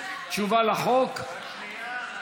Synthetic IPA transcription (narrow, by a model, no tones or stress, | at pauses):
t͡ʃuvalaχok